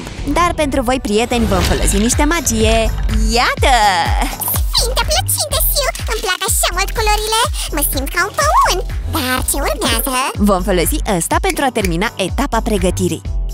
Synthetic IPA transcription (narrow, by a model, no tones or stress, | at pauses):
d̪arpe̞nt̪ɾuvo̞jpɾije̞t̪e̞nʲvo̞mfo̞lo̞̰siniʃt̪e̞mad͡ʒije̞jat̪ə | fint̪eplət͡ʃint̪efiwɨmplakəʃamult̪̚koloɾile̞məsimt̪kaunfəunʲd̪at͡ʃe̞urmeazəvo̞mfo̞lo̞siʔast̪ape̞nt̪ɾuat̪e̞rminaʔe̞t̪apapɾe̞ɡət̪iɾḭj